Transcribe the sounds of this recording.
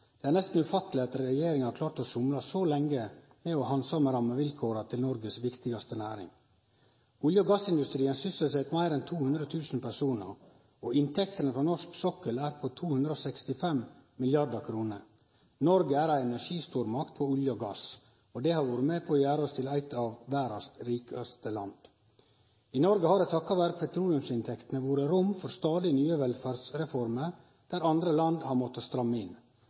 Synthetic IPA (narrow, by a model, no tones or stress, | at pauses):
d̪̥ɛæɾɳnɛst̪n̩ʉfɑt̪ːəlɪɑt̪ɾɛjeːɾɪŋhɑɾklɑːɾt̪ɔsʊmlɑsɔlɛŋːə | mɛɔhɑnsɔməɾɑmːəʋɪlkʰoːɾɑt̪ʰɪlnɔɾɡəsʋɪkt̪ɪɡɑst̪ənæːɾɪ̰ŋ | ʊljəɡɑsɪnd̪ʉst̪ɾiːənsʏsəsɛt̪mæɪɾɛnt̪ʰuːhʉnd̪ɾət̪ʰʉːsn̩pʰæʂuːnə̰ɾ | ɔɪnt̪ʰɛkt̪ənəpʰɔnɔʂksɔkəlæːɾpʰɔt̪ʰuːhʉnd̪ɾəɔsɛkst̪ɪfɛmmɪljɑɾɖ̪ɑkʰɾuːnəɾ | nɔɾɡəæːɾæɪɛnæʂiːst̪uːɾmɑkt̪̚pʰɔʉljɔɡɑs | od̪ɛhɑɾʋuːɾəmeːpʰoːjæːɾɔst̪ʰɪlæɪt̪ʰɑːʋʋæːɾɑst̪ɾiːkəœst̪əlɑ̰nd̪̥ | inɔɾɡəhɑːɾɛt̪ʰɑkːɑʋæɾk̚pʰɛt̪ʰɾuːlɪʉmsɪnt̪ʰɛkt̪ənəʋuːɾəɾʊmfɔɾst̪ɑːd̪ɪnyːəʋɛlfæːɾdsɾɛfɔɾmə | d̪̥æːɾɑnd̪ɾəlɑnd̪hɑɾmɔt̪ːəst̪ɾɑmːɪn